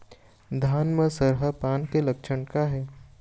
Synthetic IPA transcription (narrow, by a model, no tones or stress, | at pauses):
d̪ʱaːnməsəɾɦəpaːnkelɐkʃəɳkaɦɛː